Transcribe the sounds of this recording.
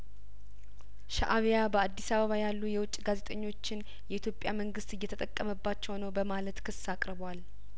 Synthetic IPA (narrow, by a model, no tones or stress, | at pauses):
ʃa̰ʔaβijabəad̪ːisaβəβajalːujɛwʊt͡ʃʼːɡaze̞t̪ʼəɲːo̞t͡ʃːɪn | jɛit̪ʰjo̞pʼːjaməŋɡɨst̪ɨjːɛt̪ʰət̪ʼəkʼːəməbːat͡ʃːɛwnəwbəmalət̪kʰɨsːakʼɾβwal